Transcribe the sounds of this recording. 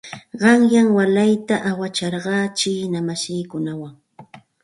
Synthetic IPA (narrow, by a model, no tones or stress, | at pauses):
ɢɑŋjaŋwalajt̪aʔawat͡ʃɑɾɢɑːt͡ʃiːnamasiːkʊnawaŋ